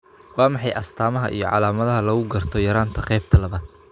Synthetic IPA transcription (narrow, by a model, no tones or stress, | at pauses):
wɑːmɑħɑjʔɐst̪ʰaːmɐɦɐ̰ʔḭjɞʕɑ̰laːmɐðɐɦɐlɐɣʊɡɐrt̪ʰɔjɐɾaːnt̪ʰɐqɛjb̚t̪ʰɐlɐβaːd̪̥̚